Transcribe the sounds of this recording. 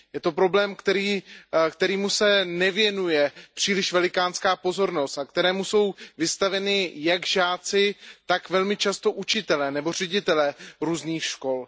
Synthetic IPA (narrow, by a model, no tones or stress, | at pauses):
jɛt̪o̞pɾo̞blɛːmkt̪ɛɾiːkt̪ɛɾiːmusɛnɛvjɛnujɛpr̝̥iːlɪʃvɛlɪkaːnskaːpo̞zo̞ɾno̞st̪ak̚t̪ɛɾɛːmuso̞wvɪst̪avɛnɪjaɡʒaːt͡sɪt̪akvɛlmɪt͡ʃast̪o̞ʔut͡ʃɪt̪ɛlɛnɛbo̞r̝ɛɟɪt̪ɛlɛɾuːzniːxʃko̞l